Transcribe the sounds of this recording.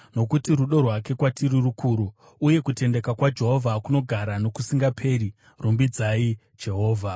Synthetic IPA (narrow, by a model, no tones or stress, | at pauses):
no̞kutiɾuɗo̞rwake̞kwatʰiɾirukʰuɾu | uje̞kute̞nde̞kakwad͡ʒe̞ɦo̞vʱakuno̞ɡʱaɾano̞kusiŋɡapʰe̞ːɾi | rumbid͡zai | d͡ʒe̞ɦo̞ːvʱa